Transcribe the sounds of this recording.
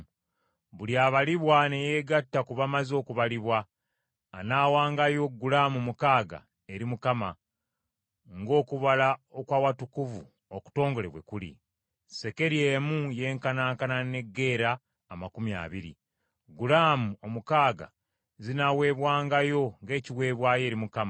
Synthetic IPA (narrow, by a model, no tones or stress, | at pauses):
βuljaβaliβwane̞jeːɡatːakuβamazo̞ːkuβaliβwaː | nawaːŋɡajo̞ɡulaːmumukaːɡa̰ | e̞ɾimukama | ŋɡo̞ːkuβalao̞kwaːwatukuvṵ | oku̥to̞ːŋɡo̞le̞βwe̞̰kulḭ | se̞ke̞ɾie̞ːmuje̞ːŋkanaːŋkanane̞ɡːe̞ːɾaː | makumja̰ːβiɾḭ | ɡulaːmuo̞mukaːɡa̰ | zinawe̞ːβwaːŋɡajo̞ŋɡe̞ːciwe̞ːβwaːje̞ːɾimukama